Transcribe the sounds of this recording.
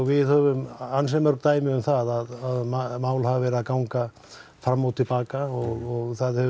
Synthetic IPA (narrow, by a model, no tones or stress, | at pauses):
ɣvɪðhœvʏmansɛmœɾkt̪aːjmɪʏmθaðaðaðmamaːwlhavavɛːɾɪaðkawŋka | fɾamːawt̪ʰɪlpaːkaɔɣɔɣθaðhɛv